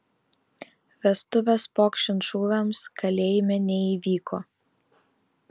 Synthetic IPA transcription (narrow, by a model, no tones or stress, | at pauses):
ʋʲɛst̪ʊʋʲɛspoːkʃʲt͡ʃʲɪnt̪ʃuːʋʲɛmskɐlʲeːjɪmʲɛnʲɛiʋʲiːkʰoː